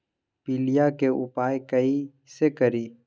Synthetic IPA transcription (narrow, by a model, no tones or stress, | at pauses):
pilijakeʊ̰paːekɐi | sekəɾiː